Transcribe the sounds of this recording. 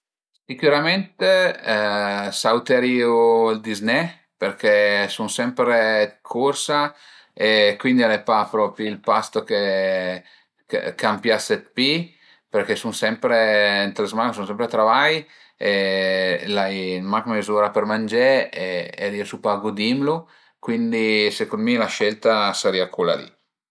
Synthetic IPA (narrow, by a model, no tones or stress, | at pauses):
sikuɾament̪e | sawt̪eɾioild̪izne | peɾkʰesunsɛmpɾekʰorsa | ekːwind̪ialepapɾɔpɾilpast̪oke | kḛkʰampjaset̪̚pi | perkesunsɛmpɾeint̪ɾezmansunsɛmpɾet̪ɾavaj | e | lajmakmezuɾapermand͡ʒɛ | eiosupaɡud̪imlu | kwind̪isekonmilaʃɛlt̪asaɾiakula̰lḭ